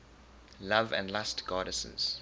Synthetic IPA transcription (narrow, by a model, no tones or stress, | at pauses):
lavə̰̃ndlastɡ̥ɑːɾəsə̰̃nz̥